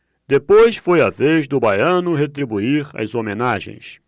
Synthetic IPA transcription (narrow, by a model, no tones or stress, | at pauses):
d̪̥epojsfojavezd̪ʊbajɐ̃nʊɦet̪ɾibuiɾa̰zomẽnaʒḛ̃j̃s